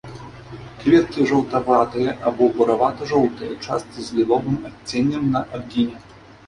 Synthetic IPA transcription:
kvʲɛt̪̚kʲiʐɐwt̪avat̪ɨjɛʔabɔbɐɾavat̪ɐʐɔwt̪ɐjɛt͡ʂa̰st̪t͡sɨzʲlʲilˠɔvɨmɐtʲːenʲːɛmnɐʔad̪̚ɡʲinʲɛ

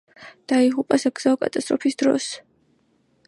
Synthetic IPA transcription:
d̪̥aiʁupʼasaɡz̥aɔkʼat̪ʼast̪ʼɾɔpʰisd̪̥ɾɔ̰s

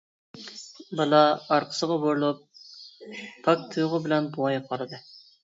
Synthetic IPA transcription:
bɑlˠɑɑɾqʰə̥səʁɑboɾlˠup̚ | ɑk̚t̪ʰujʁəbɪlɛnbuwɑjqʰɑɾɨd̪ɨ

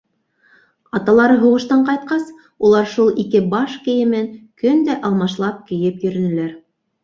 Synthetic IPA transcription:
ɑt̪ɑlˠɑɾɤɦuʁɤ̆ʃt̪ɑɴqɑjt̪̚qɑs | ulˠɑɾʃulˠikɘbɑʃkɘ̆jɘ̆mɘŋkɵnd̪æʔɑlˠmɑʃlˠɑp̚kɘ̆jɘpjɵ̆ɾɵ̆nɘ̆læɾ

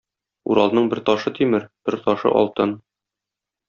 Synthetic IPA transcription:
ṵɾɑlˠnɤɴbɘɾt̪ɒʃɤt̪ʰimɘɾb̥ɘɾt̪ɒʃɤ̰ʔɒ̰lˠt̪ɤn

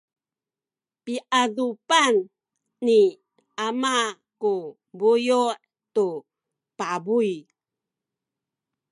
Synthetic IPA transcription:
piʔadupanː | i | ama | ku | bujuʔ | tu | pabuj

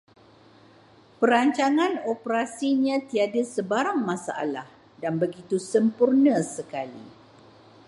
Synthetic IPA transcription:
pəɾaɲt͡ʃaŋãnopəɾasiɲãt̪iadəsəbaɾaŋmãsaʔa̰lah | danbəɡit̪usəmpurnə̃səkalḭ

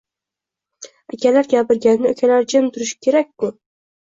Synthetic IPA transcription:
akʲʰalaɾɡʲapɪɾɡʲannɪokʲʰalaɾd͡ʒamt̪ʰʊɾɪʃɪ̥kʲʰe̞ɾak̚ʲːʊ

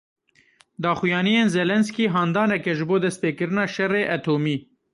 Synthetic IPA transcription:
d̪ɑːxujɑːnijeːnzɛlɛnskiːɦɑːnd̪ɑːnɛkɛʒɨboːd̪ɛst̪̚peːkɨɾɨnɑːʃɛreːʔæt̪ʰoːmiː

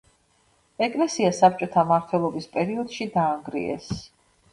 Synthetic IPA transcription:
ɛkʼlɛsiasap̚t͡ʃʼɔt̪ʰamaɾt̪ʰwɛlˠɔbispʼɛɾiɔd̪̥ʃid̪aːŋɡɾḭɛ̰s

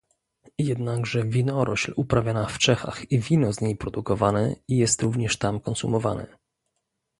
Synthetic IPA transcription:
jɛd̪naɡʐɛvʲinɔɾʔɔɕlupɾavʲjanaft͡ʂɛxa̰xivʲinɔzɲejpɾɔd̪ukɔvanɛijɛst̪ɾuvɲɛʂt̪amkɔnsumɔvanɛ̰

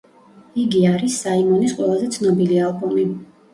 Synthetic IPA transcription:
iɡiaɾisːaimɔnisqʼwɛlˠazɛt̪sʰnɔbilialˠbumi

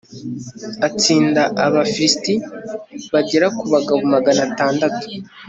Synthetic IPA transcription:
at͡siːndaʔaβafiɾisti | βaɟeɾakuβaɡaβumaɡanataːndatu̥

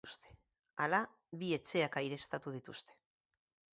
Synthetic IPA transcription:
ust̪e̥ | ala | βie̞t͡ʃe̞akajɾe̞st̪at̪uð̞it̪ust̪e̥

